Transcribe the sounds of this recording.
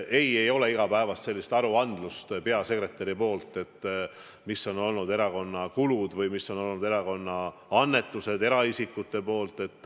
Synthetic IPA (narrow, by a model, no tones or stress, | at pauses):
ʔe̞je̞jo̞le̞iɡ̥ɑpæevɑst̪se̞lːist̪ɑɾuɑnd̪lust̪pe̞ɑse̞kɾe̞t̪ːˑeɾipo̞ːlt̪ːˑe̞t̪ːˑ | misːo̞no̞lnud̪e̞ɾɑko̞nːɑkulud̪̥vɯjmisːo̞no̞lnud̪e̞ɾɑko̞nːɑɑnːe̞t̪ːˑuse̞d̪e̞ɾɑisikːˑut̪ːˑe̞po̞ːlt̪ˑe̞t̪ːˑ